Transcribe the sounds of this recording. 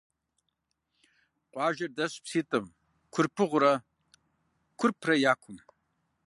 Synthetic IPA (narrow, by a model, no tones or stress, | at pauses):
qʷʼɑːʒɐrdɐɕpsiːtʼɐm | kʷʰʊrpʰɨʁʷʊɾɐ | kʷʰʊrpʰrɐjaːkʷʰʊm